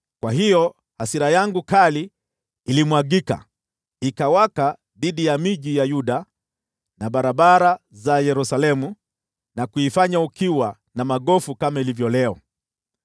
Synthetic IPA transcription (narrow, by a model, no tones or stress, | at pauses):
kwaɦijɔ | hasiɾajaŋɡukaliː | limwaɠika̰ | ikawaka | ðiɗijamiʄijajuɗa | naɓaɾaɓaɾazajɛɾusalɛmu | nakuifaɲaukiwa | namaɠɔfukamailivjɔlɛɔ